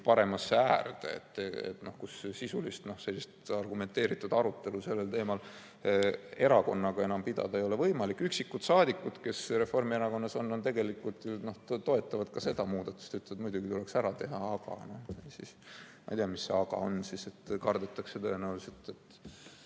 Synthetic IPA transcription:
pɑɾe̞mɑsːeæːrd̪̥eḛt̪ːḛt̪ːno̞hkussisulist̪no̞hse̞lːist̪ɑrɡume̞nt̪e̞ːɾit̪ːˑud̪̥ɑɾut̪ːˑe̞luse̞lːelt̪e̞ːmɑl | e̞ɾɑko̞nːɑɡ̥ɑe̞nɑmpid̪ɑ̰d̪̥ɑe̞jo̞le̞vɤ̞jmɑlikːˑyksikːut̪sɑːd̪ikːˑud̪ke̞sre̞fo̞rmieɾɑko̞nːɑso̞nːo̞nt̪e̞ɡe̞likːˑult̪jno̞ht̪oe̞t̪ːˑɑvɑd̪̥kɑse̞d̪̥ɑmuːd̪̥ɑt̪ːˑu̥st̪yt̪ːˑet̪mujd̪uɡit̪ule̞ksæɾɑt̪e̞ɦɑɑɡ̥ɑ̰nohejsismɑ̰jt̪ijɑmisːe̞̰ɑɡɑ̰o̞nsise̞t̪kɑrd̪et̪ːˑɑksːet̪øːenæwlset̪et̪ː

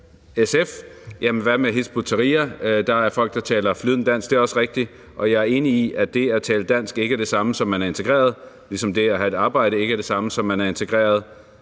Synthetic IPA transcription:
esefjæmʋæmeɦisb̥ut͡sʰɐʁḭːɐd̥ɑ̈æɐfɒ̽l̰ɡ̥̚d̥ɑ̈t͡sʰɛ̰ːlɐflyðˠn̩d̥æn̰sɡ̥d̥e̝æɐɒ̽səʁeɡ̥̚d̥i | ʔɒ̽jɑ̈æɐe̝ːniiʔæd̥e̝æt͡sʰɛːləd̥æn̰sɡ̥e̝ɡ̥æɐɾ̥e̝sɑ̈məsɒ̽mːænæɐe̝nt͡sʰe̝̥ʁɛ̰ːɐð̞̩ˠ | lisɒ̽md̥e̝æɦæe̝d̥ɑ̈ːb̥ɑ̈ɪ̰ɾ̥əe̝ɡ̥əæɐd̥e̝sɑ̈məsɒ̽mːænæɐe̝nt͡sʰe̝ɡ̥ʁɛ̰ːɐðˠ

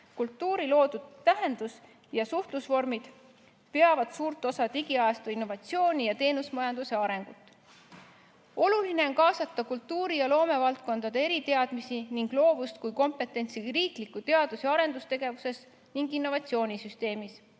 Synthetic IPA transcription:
kult̪ːuːɾilo̞ːd̪̥ud̪̥t̪æɦe̞nd̪us | jɑsuht̪lusvo̞rmid̪̥ | pe̞ɑvɑd̪̥suːɾt̪ːˑo̞sɑt̪iɡiɑɑst̪uinːo̞vɑt̪sio̞ːnʲijɑt̪e̞ːnusmɑjɑnd̪use̞ɑɾe̞ŋɡ̥ut̪ːˑ | o̞luline̞o̞nkɑːsɑt̪ˑːɑkult̪ːuːɾijɑlo̞ːme̞vɑlt̪̚ko̞nd̪̥ɑd̪̥e̞e̞ɾit̪e̞ɑd̪̥misiniŋɡ̥lo̞ːvust̪̚kujko̞mpˑe̞t̪ːˑe̞nt̪siriːklikːut̪e̞ɑd̪̥useɑɾe̞nd̪ust̪e̞ɡ̥e̞vuse̞s | niŋɡinːo̞vɑt̪sio̞ːnʲisyst̪e̞ːmis

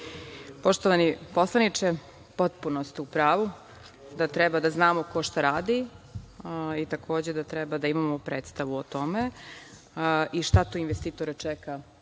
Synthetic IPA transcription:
po̞ʃt̪oʋanipo̞slˠanit͡ʃe | po̞t̪̚punost̪upɾaːʋu | d̪at̪ɾɛbad̪aznaːmoko̞ʃt̪aɾaːd̪i | it̪akʰo̞ːd͡ʑed̪at̪ɾɛbad̪aimamopɾeːt̪st̪aʋuot̪o̞me | iʃt̪at̪uinʋest̪iːt̪oɾɛt͡ʃɛka

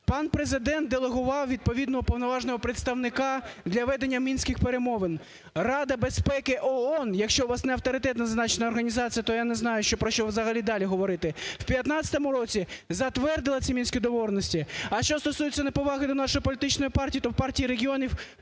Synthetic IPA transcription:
pɑnpɾezɪd̪ɛnt̪̚d̪elˠeɦʊʋɑwʋʲid̪̚pɔʋʲid̪nɔɦɔpɔwnɔʋɑʒnɔɦɔpɾet̪st̪ɐwnɪkɑd̪lʲɐʋɛd̪enʲːɐmʲinsʲkɪxpeɾemɔʋɪn | rɑd̪ɐbespɛkɪʔɔɔnjɐkʃt͡ʃɔʋɑsnɛɐwt̪ɔɾɪt̪ɛt̪nɐznɑt͡ʃnɐːrɦɐnʲizɑt͡sʲijɐt̪ɔjanɛznɑjʊʃt͡ʃɔpɾɔʃt͡ʃɔʋzɐɦɐlʲid̪ɑlʲiɦɔʋɔɾɪt̪ɪw̥pʲjɐt̪nɑt͡sʲsʲɐ̥t̪ɔmʊɾɔt͡sʲizɐt̪ʋɛrd̪ɪlˠɐt͡sʲimʲinsʲkʲid̪ɔʋɔrnɔsʲtʲiɐʃt͡ʃɔst̪ɔsujɪt͡sʲːɐnɐpɔʋɑɦɪd̪ɔnɑʃɔjipɔlʲit̪ɪt͡ʃnɔjipɑrtʲijit̪ɔwpɑrtʲijiɾeɦʲiɔnʲiw

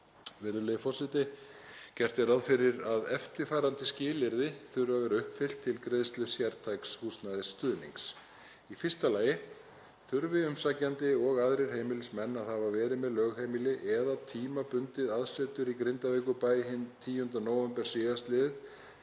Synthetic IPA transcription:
vɪɾðʏlɛjɪfɔrsɪt̪ɪcɛr̥t̪ɪɾaðfɪɾɪɾaðɛft̪ɪfaːɾant̪ɪscɪːlɪɾðɪθʏɾvavɛɾʏhpfɪl̥t̪ʰːɪlkɾeðst̪lʏsjɛɾt̪ʰajkshuːsnaðɪst̪ʏːðnḭŋks | ifɪr̥st̪alaːjɪ | θʏɾvɪʏmsacːant̪ɪɔɣaðɾɪɾ̥hejmɪlɪsmɛnːaðhavavɛːɾɪðmɛðlœːɣhejmɪlɪʔɛðat̪ʰiːmapʏnt̪ɪðaðsɛt̪ʏɾikɾɪnt̪aveːkʏpaːjɦɪnt̪ʰiːjʏnt̪anoːwvɛmpɛɾ̥siːðast̪lɪðɪð

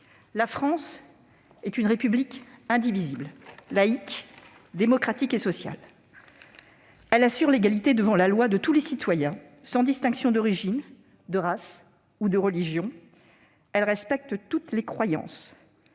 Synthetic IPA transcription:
lafχɑ̃s | ɛt̪ynʁepyblikɛ̃d̪ivizibllaik | d̪emɔkχat̪ikesɔsja̰l | ɛlasyʁleɡalit̪ed̪əvɑ̃lalwad̪ət̪ulesit̪wajɛ̃ | sɑ̃d̪ist̪ɛ̃ŋksjɔ̃d̪ɔʁiʒin | d̪əʁas | ud̪əʁəliʒjɔ̃ | ɛlʁɛspɛk̚t̪t̪ut̪lekχwajɑ̰̃s

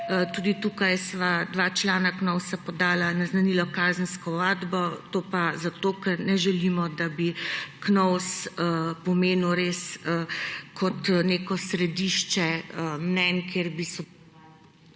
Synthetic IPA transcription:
t̪uːd̪it̪uːkajsʋad̪ʋaːt͡ʃlaːnaknɔwsapɔd̪aːlanaznanilɔkaːzənskɔʋaːd̪bɔt̪opazat̪oːkɛɾnɛʒɛlimɔd̪abiknɔwsəpɔmeːnuwɾeːsəkʰɔt̪neːkɔsɾɛd̪iʃt͡ʃɛəmnɛnkʰjeɾbisɔ

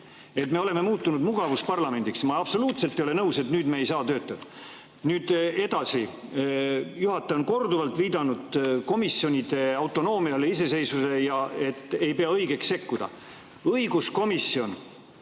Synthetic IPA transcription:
e̞t̪me̞o̞le̞me̞muːt̪ːˑunud̪muɡ̥ɑvuspɑrlɑme̞nʲd̪iksmɑɑb̥so̞luːt̪selt̪ːˑejo̞le̞nɤwse̞t̪nyːd̪̥meːjsɑːt̪ø̞ːt̪ːˑɑd̪̥ | nyːd̪̥e̞d̪̥ɑsi | juhɑt̪ːˑeo̞nko̞rd̪uvɑlt̪ˑviːd̪ɑnud̪̥ko̞misio̞nʲid̪̥e̞ɑwt̪ːˑo̞no̞ːmiɑleis̬e̞se̞jsusejɑe̞t̪ːˑe̞jpe̞ɑɤjɡe̞kse̞kːud̪̥ɑ̰ | ɤjɡusko̞misːio̞n

